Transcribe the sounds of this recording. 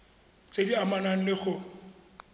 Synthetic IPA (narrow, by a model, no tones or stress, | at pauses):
t͡sʼediamanaŋ̩lɪɣʊ